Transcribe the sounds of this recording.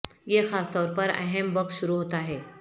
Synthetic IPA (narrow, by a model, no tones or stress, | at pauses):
jexast̪ɔɾpəɾə̰ɦemʋək̚t̪ɕuɾuɦot̪aaɦe